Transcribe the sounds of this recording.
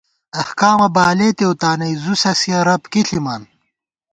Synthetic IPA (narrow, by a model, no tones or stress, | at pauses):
ɐhkaːmɐbaːleːt̪ewt̪aːnɐjzusɐsiɐɾɐpkiɬimaːn